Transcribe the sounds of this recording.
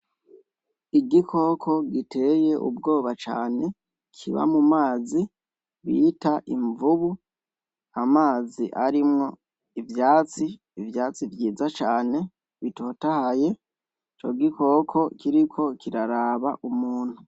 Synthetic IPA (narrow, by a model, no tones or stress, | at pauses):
iɡikʰo̞kʰo̞ɡitʰe̞je̞ʔṵbɡo̞ːβat͡ʃa̰ːne̞ | kʰiβa̰mumaːzi | βitaʔiɱvuβu | amaːziʔaɾimŋo̞ | ivjaːt͡siː | vjaːt͡sivjiːzat͡ʃaːne̞ | βito̞ːtahaje̞ | t͡ʃo̞̰ɡiko̞kʰo̞kiɾikʰo̞kʰiɾaɾaːβaʔumuːn̥hu